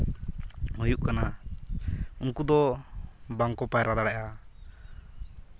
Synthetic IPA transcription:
hujuʔkana | uŋkud̪ɔ | baŋkɔpajɾad̪aɽaʔa

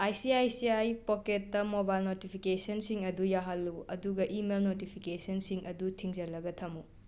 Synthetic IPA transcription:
ajsiajsiajpoketːɐmobajlnotipʰikesɐnsiŋɐdujaɦɐlːuɐ̰duɡɐʔimelnotipʰikesɐnsiŋɐdutʰiŋd͡ʒɐlɐɡɐtʰɐmu

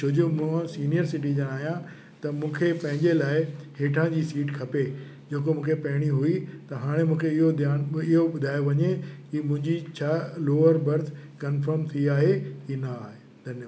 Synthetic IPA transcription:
t͡ɕʰoːd͡ʑomũãsiːnijəɾsɪʈ̬id͡ʑɐɽ̃aːɦijã | t̪ɐmũːkʰepɐ̃ɦɪ̃ɲd͡ʑelaːɪheːʈʰãd͡ʑiːsiːʈkʰɐpe | d͡ʑeːkomũːkʰepɐɦɪɽ̃iɦuit̪ɐɦaːɽ̃emũːkʰeɪɦod̪jaːnɪɦoɓʊd̪ʱaːjoʋɐɲekimʊ̃ɦɪ̃ɲd͡ʑit͡ɕʰaːloːəɾbɐɾt̪ʰkɐnfəɾmt̪ʰiiaːɦekinɐaːɦe | d̪ʱɐnjə

